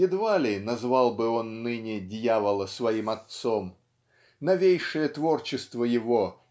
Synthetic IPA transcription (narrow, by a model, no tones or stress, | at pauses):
jɪd̪valʲɪnɐzvalˠbɨo̞nːɨnʲɪdʲjavəlˠəsvɐimɐt̪som | nɐvʲejʂɨjət̪vo̞rt͡ɕɪst̪vəjɪvo